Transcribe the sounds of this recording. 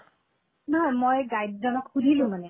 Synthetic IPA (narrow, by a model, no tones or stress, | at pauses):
nɔɦɔjmojɡajd̪dɔnɔkhud̪ʱilũmane